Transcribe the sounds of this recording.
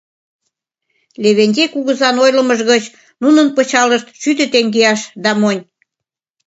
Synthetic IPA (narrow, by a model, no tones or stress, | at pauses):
leβenʲd̪ʲekuɣəzɑnojlə̆məʒɣət͡ɕ | nunənpət͡ɕɑləʃt̪ʃyt̪ə̆t̪eŋɡeɑʃd̪ɑmonʲ